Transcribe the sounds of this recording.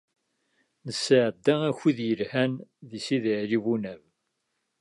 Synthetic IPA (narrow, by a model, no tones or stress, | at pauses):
nəsːʕəd̪ːææçiðjəlhænðisiðiʕɾivunæv